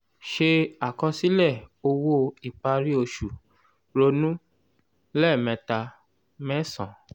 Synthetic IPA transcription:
ʃe˧a˨kɔ̃˧si˦lɛ˦˨o˧wo˦i˨k͡pa˧ɾi˦o˧ʃu˨ | ɾo˧nũ˦ | lɛ˦˨mɛ̃˧ta˧ | mɛ̃˦sɔ̰̃˨

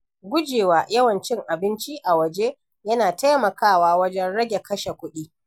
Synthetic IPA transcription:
ɡʷʊ˦d͡ʒeː˨waː˨jɐ˦wɐ˨nt͡ʃɪ˦ŋʔa˨bɪ˦nt͡ʃi˦ʔa˨wɐ˨d͡ʒeː˦ | jɐ˦naː˨ta˦jmɐ˨kaː˦˨waː˦wɐ˦d͡ʒɛ˦nɽɐ˦ɡʲe˨kɐ˦ʃe˨kʷʊ˦ɗiː˦

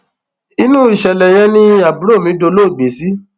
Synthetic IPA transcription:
i˦nũ˦i˨ʃɛ˨lɛ˨j̃ɛ̃˧nĩ˦a˨bu˨˦ɾo˦˨mĩ˨˦do˧˦lo˦˨ɡ͡be˨˦si˦

